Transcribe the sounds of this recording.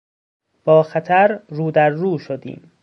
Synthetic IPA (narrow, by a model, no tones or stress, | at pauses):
b̥ɒːxæt̪ʰæɾruːd̪æɾːuːʃod̪ḭːm